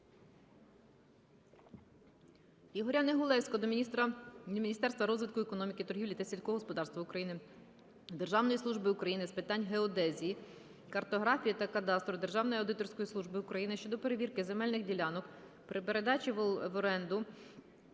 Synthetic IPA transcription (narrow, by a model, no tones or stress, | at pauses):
iɦɔɾʲaneɦʊlˠɛsʲkɔd̪ɔt̪ɐmʲinʲist̪ɛrst̪ʋɐɾɔzʋɪt̪kʊɛkɔnɔmʲikɪt̪ɔrɦʲiwlʲit̪ɐsʲilʲsʲkɔɦɔɦɔspɔd̪ɑɾrst̪ʋɐukɾɐjinɪ | d̪erʒɑwnɔjislˠuʒbɪʊkɾɐjinɪspɪt̪ɑnʲɦeɔd̪ɛzʲiji | kɐrt̪ɔɦɾɑfʲijit̪ɐkɐd̪ɑst̪ɾɔd̪erʒɑwnɔjɐwd̪ɪt̪ɔrsʲkɔjisˠuʒbɪʊkɾɐjinɪʃt͡ʃɔd̪ɔpe̞ɾeʋʲirkɪze̞mɛlʲnɪxdʲilʲɑnɔk | pɾɪpe̞ɾe̞d̪ɑt͡ʃiʋˠʋɔɾɛnd̪ʊ